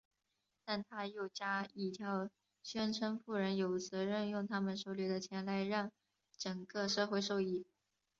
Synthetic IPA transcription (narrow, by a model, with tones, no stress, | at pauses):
t̪a˥˩nt̪ʰa˥jo˥˩ʊt͡ɕja˥i˥˩t̪ʰjɑ˥˩ʊ | ɕɥɛ˥nʈ͡ʂʰə˥ŋfu˥˩ɻə˧˥njo˨˧˩ʊt͡s̩ʰ˧˥ɻə˥˧njʊ˥˩ŋt̪ʰa˥mə˨nʂo˥˩ʊlɛ˧˥d̪ə˧t͡ɕʰjɛ˧˥nla˧˥ɪɻɑ˥˩ŋ | ʈ͡ʂə˨˩ŋkɤ˥˧ʂɤ˥˧xwe˥˧ɪʂo˥˧ʊi˥˩